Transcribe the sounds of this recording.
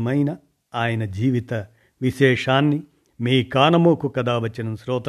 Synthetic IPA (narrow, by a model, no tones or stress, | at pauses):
mɐjnɐ | aːjɐnɐd͡ʒiːʋit̪ɐ | ʋiʃɛːʂaːnːi | miːkaːnɐmoːkukɐd̪aːʋɐt͡ʃːinɐmsɾɔːt̪